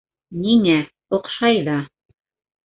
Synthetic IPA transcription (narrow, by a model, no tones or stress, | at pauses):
niŋæ | ŏqʃɑjðɑ